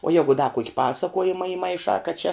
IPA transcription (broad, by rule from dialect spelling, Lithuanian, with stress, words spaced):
oː ˈjæːɡʊ dɐ kuɔkʲ ˈpɑːsɐkuɔjɪmɐ ɪmɐɪˈʃɑː kɐt t͡ʃʲɛ